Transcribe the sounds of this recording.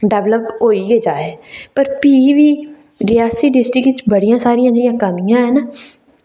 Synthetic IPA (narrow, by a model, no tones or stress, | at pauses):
ɖɛːʋləpoːiːɡeːd͡ʒaːeːpəɾpiːʋiː | ɾɪjaːsiːɖɪsʈɾɪkt͡ʃbəɽijãːsaːɾijãːd͡ʒejãːkəmijãːɦɛn